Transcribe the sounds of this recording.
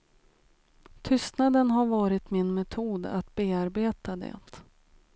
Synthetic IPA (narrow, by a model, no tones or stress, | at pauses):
t̪ʰʏst̪nad̪ənɦaɾvɑːɾɪt̪mɪnmɛt̪ʰuːd̪a̰t̪beːaɾbeːt̪ad̪ɛ̰t̪